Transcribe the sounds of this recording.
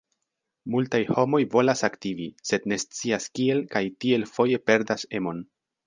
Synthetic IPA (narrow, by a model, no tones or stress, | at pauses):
multajho̞mo̞jvo̞lasaktivise̞dne̞st͡siaskie̞lkajtie̞lfo̞je̞pe̞ɾdase̞mo̞n